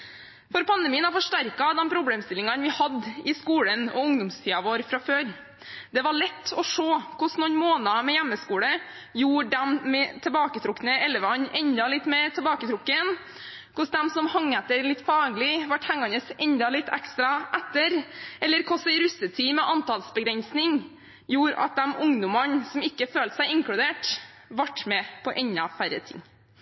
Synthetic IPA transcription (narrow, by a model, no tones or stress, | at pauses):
fɔɾpʰɑnd̪əmiːənɑfɔʂʈæɾkɑd̪ɛmpʰɾʊbleːmst̪ɪlɪŋɑnʋɪhɑd̪ːɪskuːlənɔ̰ʊŋd̪ʊmst̪ʰiːɑʋoːɾfɾɑføːɾ | d̪ɛʋɑɭɛt̪ʰːɔʂoːkʰʊsnɔnmoːnɑmɛjæmːəskuːɽə | juːɖɛmːɛt̪ʰɛbɑːkət̪ʰɾʊkːnəʔɛlːəʋɑnʔɛɲd̪ɑlɪt̪ːmɛːɾt̪ʰɛbɑːkət̪ʰɾʊkːən | kʊsd̪ɛmsɔmhɑŋːɛt̪ːəɾlɪt̪ːfɑːɡlɪʋɑʈːhɛŋɑnəsɛnd̪ɑlɪt̪ʰːɛkst̪ɾɑʔɛt̪ːəɾɛlːəɾkʰɔsəɪɾʉsət̪ʰiːmɛʔɑnt̪ʰɑlsbəɡɾɛnsnɪŋ | juːɾɑ̰t̪̚d̪ɛmʊŋd̪ʊmɑnsɔmɪkːəføːlt̪sæɪɪŋkɽʉd̪eːʈ | ʋɑʈːmɛpʰɔʔɛnːɑ̰fæɾə̰t̪ʰɪ̰ŋː